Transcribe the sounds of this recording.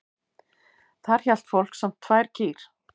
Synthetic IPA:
θaɾ̥çɛl̥t̪fowl̥ksam̥t̪ʰːvaːjɾ̥cʰiːɾ̥

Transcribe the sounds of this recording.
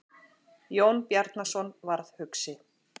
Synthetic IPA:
jownpjaɾt̪nasɔnvaɾð̥hʏksɪ

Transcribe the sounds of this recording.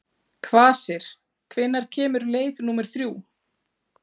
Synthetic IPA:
kʰvaːsɛɾ̥ | kʰvɪnːaɾ̥cʰɛːmʏɾleːjðnuːmɛɾ̥θɾjuː

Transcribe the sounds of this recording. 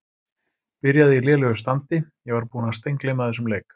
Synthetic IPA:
pɪɾjaðɪilɛːlʏɣʏst̪ant̪ɪjɛɣvaɾpuːnast̪ejŋklejmaðɛs̬ʏmlejk

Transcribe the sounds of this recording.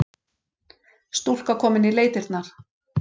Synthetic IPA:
st̪ul̥kakʰɔːmɪnileːjt̪ɪɾt̪naɾ̥

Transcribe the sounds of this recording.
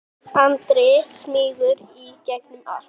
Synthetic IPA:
ant̪ɾɪsmɪːɣʏɾicɛknʏma̰l̥

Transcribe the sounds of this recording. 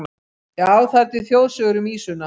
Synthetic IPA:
jaːwθaɾt̪ɪðθjowðsœɣʏɾʏmiːsʏnːa

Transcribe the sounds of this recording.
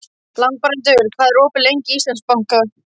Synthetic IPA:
lan̚paɾɛnt̪̬ɪvʏɾkʰvaːðɪɾoːwpɪlejɲcɪist̪anspawŋ̥ka

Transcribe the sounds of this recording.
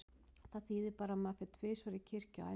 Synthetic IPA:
θaðθiːðɪpaːɾamɛaðfɪɾt̪ʰvɪːsvaɾɪcʰɪɾ̥ca̰a̰

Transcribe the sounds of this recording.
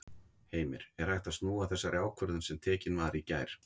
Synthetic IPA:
heːjmɪɾ̥ɛɾ̥hajht̪ast̪nuːaθɛsːaɾjaːwkʰvœɾðʏnsɛmt̪ʰɛːcɪnvaɾicaːjɾ̥

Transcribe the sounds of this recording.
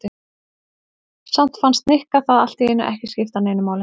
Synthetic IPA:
t̪ɪ | sam̥t̪fanst̪nɪhkaθaðal̥t̪iɛnʏʔɛhcɪscɪft̪aneːjnʏmaːwlɪ

